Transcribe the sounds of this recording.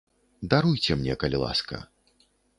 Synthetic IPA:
d̪aɾujt͡sʲɛmnʲɛkɐlʲilˠa̰skɐ̰

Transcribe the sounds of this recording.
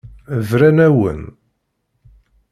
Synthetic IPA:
vɾænæwə̰n

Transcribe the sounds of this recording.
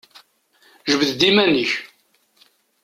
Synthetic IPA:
ʒəvðd̪imæniç

